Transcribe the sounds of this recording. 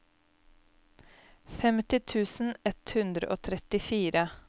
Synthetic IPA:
fɛmt̪ɪt̪ʰʉːsn̩ɛt̪hʉnd̪ɾə̰ʔoːt̪ʰɾɛt̪ɪfiːɾə

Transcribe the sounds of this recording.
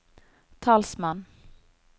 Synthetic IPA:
t̪ʰɑːlsmɑn

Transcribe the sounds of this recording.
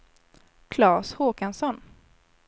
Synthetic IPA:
kʰlɑːshoːkansɔn

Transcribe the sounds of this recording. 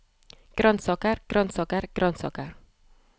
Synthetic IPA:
kɾɔnsɔkarkɾɔnsɔkarkɾɔnsɔ̰kar

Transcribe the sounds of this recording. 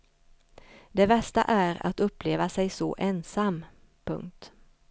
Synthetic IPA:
d̪ɛbɛst̪a̰ʔæɾa̰t̪ɵpːleːvasɛjsɔ̰ʔeːnsamː | pʰɵ̰ŋk̚t̪

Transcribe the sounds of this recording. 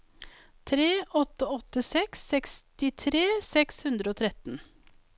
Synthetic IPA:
t̪ʰɾeːʔɔt̪əɔt̪ːəsɛksːɛkst̪ɪt̪ʰɾeːsɛkshʉnd̪ɾəoːt̪ʰɾɛt̪n̩

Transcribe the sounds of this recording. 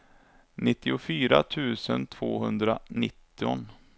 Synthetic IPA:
nɪt̪ːɪʊfyːɾat̪ʰʉ̟ːsənt̪ʰv̥oːɦɵnd̪ɾanɪt̪ːɪɔn

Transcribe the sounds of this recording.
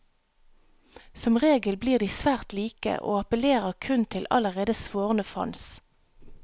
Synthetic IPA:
sɔmʁeːɡəlbliːʁd̪iːsʋæːʁt̪liːkə̰ʔo̰ːɑpəleːʁəʁkʰʉnt̪ʰɪlɑ̰ləʁeːd̪əsʋoːʁənəfɑ̰ns

